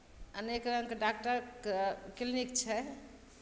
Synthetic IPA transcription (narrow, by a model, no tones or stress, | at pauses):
ənekɾə̃ŋkeɖak̚ʈəɾ | klinikt͡ʃʰɛ